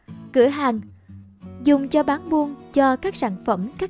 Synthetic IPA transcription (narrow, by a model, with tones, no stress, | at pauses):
kɨ̰˧˩əɦaː˨˩ŋ | zʊ˨˩ŋ͡mt͡ɕɔ˧ɓaː˨˦nmu˧ənt͡ɕɔ˧kaː˦˥k̚saː˧˩nfə˧˩mkaː˦˥